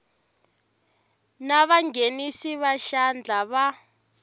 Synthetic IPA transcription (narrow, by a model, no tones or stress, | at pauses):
naβaŋɡenisiβaʃand͡ɮʱaβa